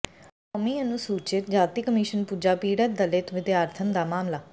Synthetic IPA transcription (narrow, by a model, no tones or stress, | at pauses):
kɔːmiːənũːsuːt͡ʃɪt̪d͡ʒaːt̪iːkəmiːʃənpuːd͡ʒaːpiːɽət̪̚d̪əlɪt̪ʋɪd̪eaːɾt̪ʰənd̪aːmaːmlaː